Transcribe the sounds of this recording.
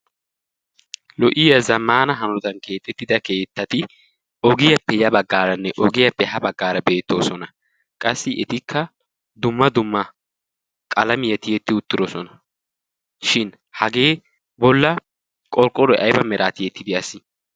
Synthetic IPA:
lɔʔɪjɐzɐmːaːnɐɦɐnɔt̪ʼɐnke̞ːt̪ʼːɛt̪ːɪd̪ɐke̞ːt̪ːɐt̪ɪ | ɔɡɪjɐpːɛjɐbɐɡːaːɾɐnːɛʔɔɡɪjɐpːɛɦɐbɐɡːaːɾɐbe̞ːt̪ːoːsɔnɐ | kʼɐsːɪʔɛt̪ɪkːɐ | d̪ʊmːɐd̪ʊmːɐ | kʼɐlɐmɪjɐt̪ɪjɛt̪ːɪʊt̪ːɪɾɔsɔnɐ | ʃɪn | hɐɡe̞ː | bɔlːɐ | kʼɔɾkʼɔɾɔʔɐjbɐmɛɾaːt̪ɪjɛt̪ːɪd̪ɪɐsɪ

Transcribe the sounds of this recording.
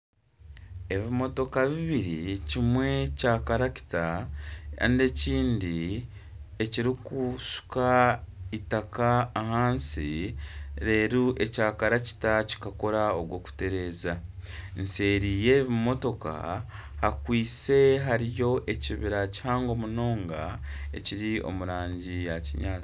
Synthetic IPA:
e̞βimo̞to̞kaβiβiɾicimwe̞caːkaɾaci̥ta | a̰nde̞ciːndi | e̞ciɾikusu̥kaitakaːhaːnsi | ɾe̞ːɾuʔe̞caːkaɾaci̥taci̥kako̞ɾao̞ɡwo̞ːku̥te̞ɾe̞ːzanse̞ːɾije̞βmo̞to̞ka̰ | hakwiːse̞ɦaɾijo̞ʔe̞ciβiɾaci̥haːŋɡo̞muno̞ːŋɡae̞̰ciɾio̞̰muɾaːɲɟijaciɲaːt͡s

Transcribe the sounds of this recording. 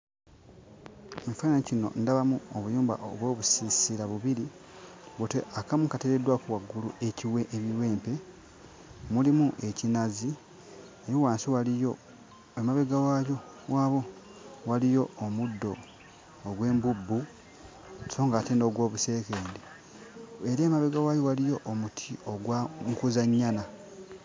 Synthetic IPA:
eɱfainanicino̞̰ndaβamuoβujuːmba̰ʔoβwo̞ːβusisiɾaβuβiɾi | βute̞ʔakamukateɾedwakuwaɡːuluʔe̞ciwe̞ʔeβiwe̞ːmpe̞ | mulimuʔe̞cinazi | ejiwaːnsiwalijo̞ | emaβeɡawajo̞ | waːβo̞ | walijo̞ːmudːo̞ː | ɡwe̞ːmbubːu̥ | so̞ːŋɡaːteno̞ɡwo̞ːβuse̞ːkeːndi | eɾeːmaβeɡawajo̞walijo̞ʔomutʰioɡwaŋkuzaɲːana

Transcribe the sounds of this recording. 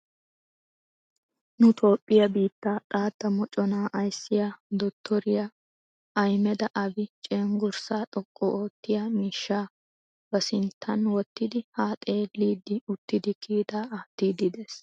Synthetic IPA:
nʊt̪ʰo̞ːpʼːɪjɐbiːt̪ːaːt̪ʼaːt̪ːɐmɔt͡ʃʼɔnaːʔɐjsːɪjad̪ɔt̪ʰːɔɾɪjɐ | ʔɐjmɛd̪ɐʔɐbɪt͡ʃʼeːŋɡʊɾsaːt̪ʼɔkʼːɔʔoːt̪ːɪjamiːʃːaː | bɐsɪnt̪ʰːɐnwɔt̪ːɪd̪ɪhaːt̪ʼe̞ːlːiːd̪ːɪʊt̪ːɪd̪ɪkʰiːt̪aːt̪ːiːd̪ɪd̪es

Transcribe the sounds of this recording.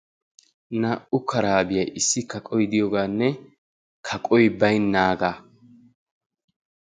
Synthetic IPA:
naʔʊkʰɐɾaːbɪjɐjʔɪsːɪkɐkʼɔjd̪ɪjɔɡaːnːɛ | kʰɐkʼɔjbɐjnːaːɡaː

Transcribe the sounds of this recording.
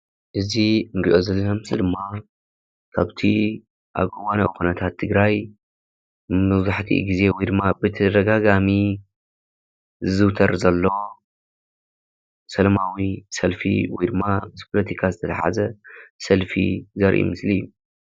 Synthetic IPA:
ʔɨziɨnɡiʔo̞zɐlːɐɐmsid̪ɨmːa | kʰaβt̪ʰi | ʔa̰βkʼɨwanɐwkunɐt̪ʰat̪ʰːɨɡɾaj | mɐβzaħt̪ʰḭɡize̞wjd̪ɨmːabɨt̪ʰɐd̪ɐɡaɡami | zɨzɨwt̪ʰɐɾzɐlːo̞ | sɐlɐmawisɐlfḭwijd̪ɨmːamɨspʰolɐt̪ʰikʰazɨt̪ʰɐlɐħa̰zɐsɐlfḭzɐɾʔḭmɨslijːu

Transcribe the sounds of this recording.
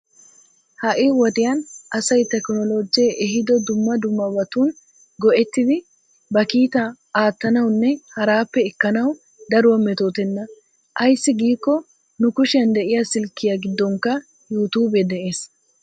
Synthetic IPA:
hɐʔɪwɔd̪ɪjɐnʔɐsɐjt̪ɛknɔlod͡ʒjeʔɛɦɪd̪ɔd̪ʊmːɐd̪ʊmːɐbɐt̪uːn | ɡɔʔɛt̪ːɪd̪ɪ | bɐkiːt̪ɐ | aːt̪ːɐnɐwnːɛhɐɾaːpːɛɪkːɐnɐw | d̪ɐɾʊwɐmɛt̪o̞ːt̪ɛnːɐ | ʔɐjsːɪɡiːkːɔ | nʊkʊʃɪjɐnd̪ɛʔɪjasɪlkːɪjaɡɪd̪ːɔŋkːɐ | juːt̪uːbɛd̪ɛʔe̞ːs

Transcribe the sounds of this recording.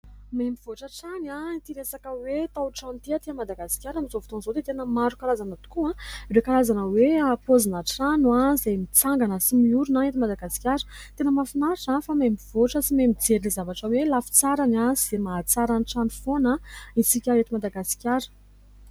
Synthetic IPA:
mempiv̥oʈ͡ʂəʈ͡ʂanait̪iɾesakəwet̪awʈ͡ʂant̪iat̪iamad̪aɡasi̥kʲaɾamizovit̪onzod̪et̪enəmaɾukaɾazanət̪u̥kuãiɾekaɾazanəweapozinəʈ͡ʂanwazajmit͡saŋɡanəsimiuɾunaet̪imad̪aɡasi̥kʲjaɾə̥ | t̪enəmafinaʈ͡ʂafamembivoʈ͡ʂəsimemid͡zeɾinizavaʈ͡ʂəwelafi̥t͡saɾanaz̥emaːt͡saɾaniʈ͡ʂanifonaisikʲaɦet̪imad̪aɡasi̥kʲaɾə̥

